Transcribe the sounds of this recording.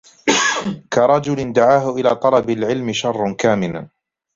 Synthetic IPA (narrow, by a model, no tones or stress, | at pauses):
kaɾˤɑd͡ʒʊlɪnd̪aʕaːɦʊʔɪlaːt̪ˤɑlɑbalʕɪlmɪʃɑrˤːɑnkaːmɪla